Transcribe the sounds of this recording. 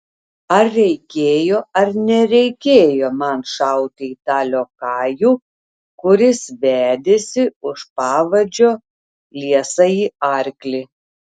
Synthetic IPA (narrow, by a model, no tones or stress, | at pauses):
ɐɾːʲɛɪkʲeːjoːɐɾnʲɛɾʲɛɪkʲeːjoːmɐnʃɐʊt̪ʲɪit̪ɑːlʲoːkɑːjuː | kʊɾʲɪsʋʲæːd̪ʲesʲɪʊʃpɑːʋɐd͡ʒʲoː | lʲiɛsɐiːɐɾʲklʲi